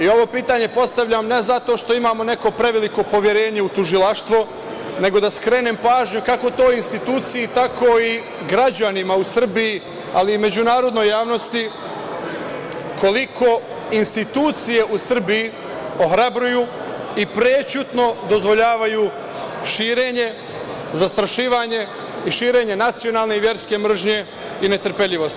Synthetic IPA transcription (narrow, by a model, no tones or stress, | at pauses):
io̞ʋo̞piːt̪aːɲe̞po̞st̪aʋʎamne̞zat̪o̞ːʃt̪o̞imaːmo̞ne̞ko̞pɾe̞ʋeliko̞po̞ʋje̞ɾe̞ːɲe̞ut̪uʒilˠaʃt̪ʋo | ne̞ɡo̞d̪askɾe̞ːneːmpaːʒɲukako̞t̪oːinst̪it̪uːt̪sijit̪ako̞i | ɡɾad͡ʑanimausr̩biji | aliːme̞d͡ʑunaːɾo̞d̪no̞jaːʋno̞st̪i | ko̞liko̞ | inst̪it̪uːt̪sije̞ʔusr̩biji | oxɾabɾujuːipɾet͡ʃut̪no̞d̪o̞zʋo̞ʎaːʋaju | ʃiːɾe̞ɲe̞ | zast̪ɾaʃiːʋaɲe̞ | iʃiːɾe̞ɲe̞nat̪sijo̞naːlne̞iʋje̞ɾske̞mr̩ʒɲe̞ | ine̞t̪r̩pe̞ʎiʋo̞st̪